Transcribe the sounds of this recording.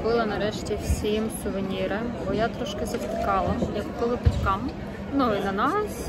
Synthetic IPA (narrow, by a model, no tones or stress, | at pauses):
bɪlˠɐnɐɾɛʃtʲiwsʲimsʊʋɪnʲiɾɪbɔjat̪ɾɔʃkɪzɐpt̪ɪkɑlˠɐjɐkkɔʋˠɪpɐtʲkɑm | nuinɐnɑs